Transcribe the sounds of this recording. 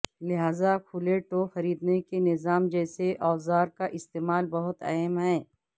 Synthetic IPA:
lɪɦaːzakʰuleʈoxɐɾiːd̪nekenɪzaːmd͡ʒɛːseʔɔːzaːɾkaʔɪst̪eːmaːlbɐɦʊt̪ɐ̰ːmɦɛ̃ː

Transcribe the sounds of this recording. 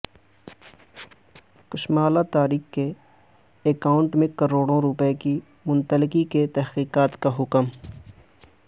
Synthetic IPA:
kʊʃmaːlat̪aːɾiːxkeː | kaːʊ̃ɳʈmẽkɐɾoːɽõɾʊpeki | mʊ̃nt̪əlɪkiket̪ɛɦkiːqaːt̪kaɦʊkəm

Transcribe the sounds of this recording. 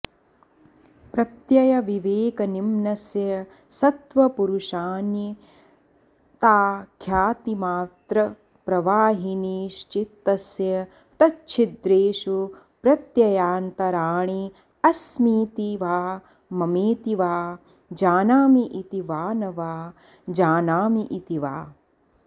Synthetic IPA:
pɾɐt̪jɐjɐʋiʋeːkɐnimnɐsjɐ | sɐt̪ʋɐpuɾuʃaːnji | t̪aːkʰjaːt̪imaːt̪ɾɐ | pɾɐʋaːɦiniːʃt͡ʃit̪ːɐsjɐ | t̪ɐt͡ʃːt͡ʃʰid̪ɾeːʃu | pɾɐt̪jɐjaːnt̪ɐɾaːɳi | ɐsmiːt̪iʋaː | mɐmeːt̪iʋaː | d͡ʒaːnaːmiʔit̪iʋaːnɐʋaː | d͡ʒaːnaːmiʔit̪iʋaː

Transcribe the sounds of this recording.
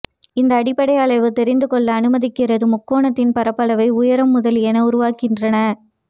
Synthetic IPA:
ɪnd̪ɐːɽɪpːɐɽɐɪɐɭɐɪʋɯt̪ɛɾɪnd̪ɯkɔɭːɐːnɯmɐðɪkːɪrɐðɯmʊkːoːɳɐt̪ːɪnpɐɾɐpːɐlɐʋɐɪʊjɐɾɐmːʊðɐlɛnɐʊɾʊʋaːkɪndrɐnɐ

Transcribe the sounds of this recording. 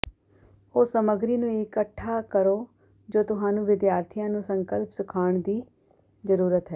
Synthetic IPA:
oːsəməɡɾiːnũːɪkəʈʰːaːkəɾoː | d͡ʒoːt̪ʊɦãːnũːʋɪd̪jaːɾt̪ʰijãːnũːsəŋkəlpsʊkʰaːɳd̪iː | zəɾuːɾət̪ɦɛː

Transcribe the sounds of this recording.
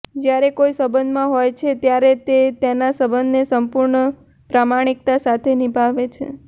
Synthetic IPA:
d͡ʒjaɾekojsəbənd̪mãɦojt͡ʃʰet̪jaɾet̪et̪janasəbənd̪nesəmpuɾɳə | pɾamaɽ̃ik̚t̪asat̪ʰenibʱaʋet͡ʃʰḛ

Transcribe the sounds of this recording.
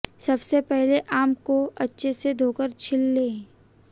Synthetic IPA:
sɐbsepɛɦleʔaːmkoɐtːʃʰesed̪ʱoːkəɾt͡ʃʰɪlːeː

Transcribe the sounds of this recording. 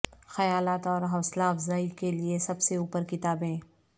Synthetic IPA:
xɐjaːlaːt̪ɔːɾɦɐslaːfzaːikeliesɐbseuːpəɾkɪt̪aːbẽː

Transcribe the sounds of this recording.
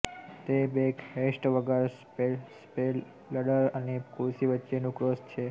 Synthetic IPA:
t̪ebekhesʈʋəɡəɾ | pespelː | əɽəɾənekuɾsiʋətːʃenũkɾost͡ʃʰe

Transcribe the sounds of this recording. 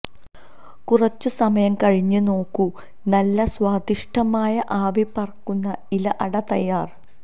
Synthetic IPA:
kurɐt͡ɕːɨsɐmɐjɐmkɐɻiɲːɨno̞ːkːu | nɐlːɐswaːd̪ʱiʂʈʰɐmaːjɐʔaːʋipɐrɐkːunːɐilɐʔɐɽɐt̪ɐjːaːr

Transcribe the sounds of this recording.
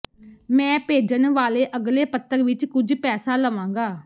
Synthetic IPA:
mɛ̃ːpeːd͡ʒənʋaːleːʔəɡleːpət̪ːəɾʋɪt͡ʃkʊd͡ʒpɛːsaːləʋãːŋɡaː

